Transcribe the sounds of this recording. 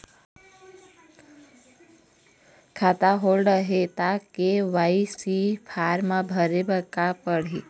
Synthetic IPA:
kʰat̪aɦolɖəɦet̪akeʋaisipʰaɾmãbʱəɾebəkapəɽ̤i

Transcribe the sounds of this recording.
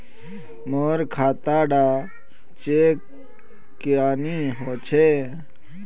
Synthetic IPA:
moːɾkʰaːt̪aːɖaː | t͡ʃeːkː | jaːniːɦoːt͡ʃʰe

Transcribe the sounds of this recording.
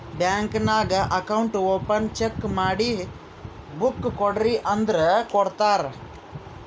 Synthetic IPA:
bjãŋknaɡɐkauɳʈʋopənt͡ʃekmaːɽiːɦ | bukːɔɖɾiʔənd̪ɾəkɔɽt̪aɾ

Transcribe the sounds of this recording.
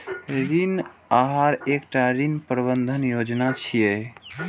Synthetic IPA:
ɾinaɦaɾekʈaɾinpɾbənd̪ʱənjod͡ʒnat͡ʃʰije

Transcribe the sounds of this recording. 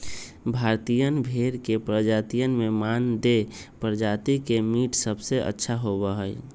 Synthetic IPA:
bʱaɾt̪ijənbʱeɾkepɾəd͡ʒat̪ijənmemand̪epɾəd͡ʒat̪ikemiʈsəbseʔə̰tːʃʰaɦoβəɦə

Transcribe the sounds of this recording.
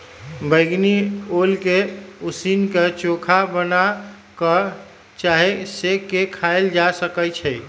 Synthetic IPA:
bəjɡniolkeusinket͡ʃokʰabəna | kə | t͡ʃaɦesekekʰaeld͡ʒasəkəjt͡ʃʰɛj

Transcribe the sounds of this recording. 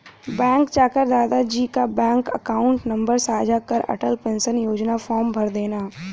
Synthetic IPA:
bɛ̃ːŋkt͡ʃaːkəɾd̪aːd̪ad͡ʒiːkabɛ̃ːŋkəkaːʊ̃ɳʈnɐ̃mbəɾsaːd͡ʒʱakəɾɐ̰ʈəlpẽːnsənjoːd͡ʒnafɔːɾmbʱɐɾd̪eːnaː

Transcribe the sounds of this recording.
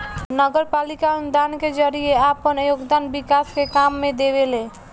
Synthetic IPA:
nəɡəɾpalikaund̪anked͡ʒəɾijeapənəjoɡd̪anbikaskekamːẽd̪eβelẽ

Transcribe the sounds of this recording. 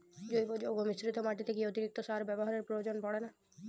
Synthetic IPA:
d͡ʒojbod͡ʒoɡomisɾit̪omaʈit̪ʰekiot̪iɾik̚t̪osaɾbɛboɦaɾeɾpɾojod͡ʒonpɔɽena

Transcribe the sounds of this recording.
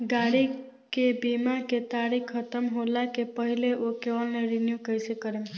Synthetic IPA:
ɡaɽi | kebimaket̪aɽikʰːət̪əmɦolakepəɦileʔokeʋəlneɾinjukəjsekəɾem

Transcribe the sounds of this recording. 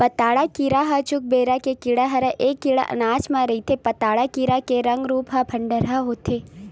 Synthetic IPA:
pɐt̪aːɽakiːɾaɦɐt͡ʃʊk̚beːɾakekiɽaɦɐɾəʔeːkːiɽa̰ʔɐ̰naːt͡ʃmãɾɐit̪ʰepɐt̪aːɽakiːɾakeɾɐ̃ŋɡɾuːpɦɐbʰʱɐɳɖəɾɦaɦoːt̪ʰeː

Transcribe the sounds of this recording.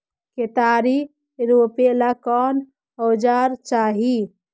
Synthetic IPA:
ket̪aɾi | ɾopelakɔn | ɔd͡ʒaɾt͡ʃaɦi

